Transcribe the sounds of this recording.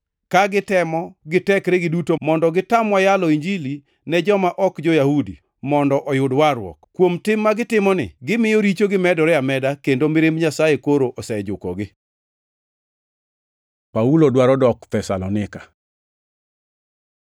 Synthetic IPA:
kaɡɪtɛmɔɡɪtɛkɾɛɡɪdutomɔndɔɡɪtamwajalɔiɲd͡ʒili | nɛd͡ʒɔmaʔɔkd͡ʒɔjahudḭ | mɔndɔʔɔjʊdwaɾwɔ̰kkːwomtɪmːaɡɪtɪmɔnɪ̰ɡɪmɪjoɾit͡ʃoɡɪmɛdɔɾɛamɛdakendomɪɾembɲasajekoɾoʔɔsɛd͡ʒʊkɔɡɪ | paulodwaɾɔdɔkt̪ɛsa̰lɔnɪkḁ

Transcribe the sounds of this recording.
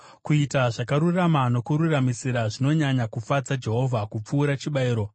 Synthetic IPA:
kuitaʐakaɾuramano̞kuɾuramisiɾaʐino̞ɲaɲakufad͡zad͡ʒe̞ɦo̞vʱakup͡fuːɾat͡ʃiɓaiːɾo̞

